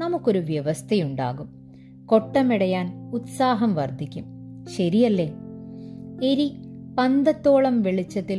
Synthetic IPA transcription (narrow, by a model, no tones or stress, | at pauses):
nɐmukːo̞ɾuʋjɐʋɐst̪ʰɐjuɳɖa̰ːɣum | ko̞ʈːɐmiɽɐjaːnut̪saːɦɐmʋɐrd̪ʱikʲːumɕɐɾijɐlːe | eɾipɐnd̪ɐt̪ːo̞ːɭɐmʋeɭit͡ɕːɐt̪ːil